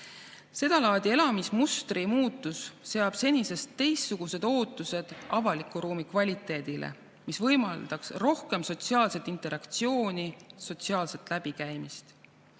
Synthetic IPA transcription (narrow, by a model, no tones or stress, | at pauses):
se̞d̪̥ɑlɑːd̪̥ie̞lɑmismust̪rimuːt̪ːˑusːe̞ɑb̥se̞nʲise̞st̪ːe̞jst̪ːuɡ̥use̞d̪̥o̞ːt̪ːˑuse̞d̪̥ɑvɑlikːˑuɾuːmikvɑlʲit̪ːˑe̞ːd̪̥ilʔḛ | misvɤ̞jmɑld̪̥ɑksro̞hke̞mso̞t̪siɑːlse̞t̪ːˑint̪ˑe̞ɾʔɑkt̪sio̞ːnʲiso̞t̪siɑːlse̞t̪ˑlæb̥ikæjmist̪